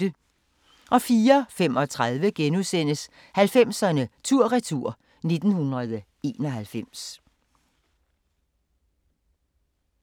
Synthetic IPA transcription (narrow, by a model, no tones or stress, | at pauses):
ə | ʔɒ̽fiːɐfem̰ɒ̽t͡sʰʁað̞ˠʋəɡ̥enusen̰əs | hælfem̰sɐnət͡sʰuɐ̰ʁit͡sʰuɐ̰ | ne̝d̥n̩hunʁɐð̞ˠ | e̝̰ːnɒ̽ɦælfem̰s